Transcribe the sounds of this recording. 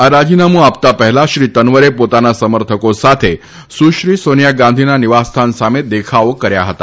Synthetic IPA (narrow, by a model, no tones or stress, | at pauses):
aɾad͡ʑinamuapt̪apəɦɛlaɕɾiːt̪ənʋəɾepot̪anasəməɾt̪ʰəkosat̪ʰe | suʃɾiːsonjaɡãnd̪ʱinaniʋast̪ʰansamed̪ekʰaʋəkəɾja̰ɦət̪a